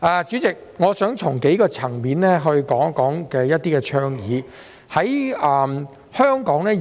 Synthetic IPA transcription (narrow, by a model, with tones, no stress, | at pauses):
ʔɛː˨˧t͡ʃy˨˥t͡sɪ˨k̚ŋɔː˨˧sœː˨˥ŋt͡sʰʊ˨˩ŋke˨˥jkɔː˧t͡sʰɐ˨˩ŋmiː˨˥nlɛː˥ɦɵ˧ɥkɔː˨˥ŋ˥kːɔː˨˥ŋkɛː˧jɐ˥t̪̚iː˥kɛː˧t͡ʃʰœː˥ŋjiː˨˥ | hɐ˨˥jɐː˨˩m | hœː˥ŋkɔː˨˥ŋlɛː˥